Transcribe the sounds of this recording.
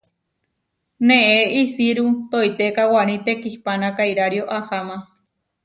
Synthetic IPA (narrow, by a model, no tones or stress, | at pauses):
nẽeisiɾut̪ojt̪ekawaɾ̃ĩt̪ekihpanãkajɾaɾjoʔahamã